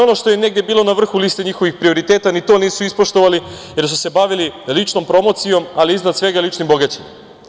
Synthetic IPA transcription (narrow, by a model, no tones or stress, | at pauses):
o̞no̞ʃt̪o̞jene̞ɡdjebiːlo̞naʋr̩xuliːst̪eɲixo̞ʋixpɾio̞ɾit̪e̞ːt̪anit̪o̞niːsuispo̞ʃt̪o̞ʋali | je̞ɾsuse̞baʋililit͡ʂno̞mpɾo̞mo̞t̪sijo̞maliiznad̪sʋe̞ɡalit͡ʃnimboɡat͡ɕim